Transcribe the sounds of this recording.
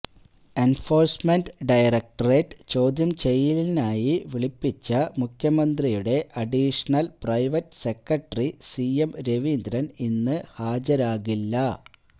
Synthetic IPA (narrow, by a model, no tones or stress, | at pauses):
e̞nfo̞ːrsmenɖɖɐjrek̚ʈɐreːʈːt͡ɕo̞ːd̪jɐmt͡ɕe̞jːilinaːjiʋiɭipːit͡ɕːɐmukʰjɐmɐnd̪rijuɽe̞ʔɐɖiːʂɐnɐlprɐjʋɐtːse̞kːɐʈːɐrisiemɾe̞ʋind̪ɾɐninːɨhaːd͡ʑɐɾaːɣilːɐ